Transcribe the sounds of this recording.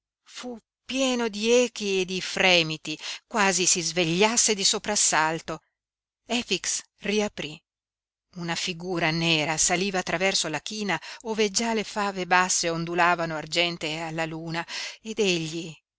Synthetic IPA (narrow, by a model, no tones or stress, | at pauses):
fu | pːjɛːnod̪iɛːk̟ied̪ifɾɛːmit̪ikwaːzisizveʎːasːed̪isopɾasalt̪o | ɛfiks | riapɾi | unafiɡuːɾanɛːɾasaliːvaːt̪ːɾavɛrsolak̟iːnaoːved͡ʒalefaːvebasːeond̪ulaːvanoard͡ʒɛnt̪ealːaluːnaed̪eʎːi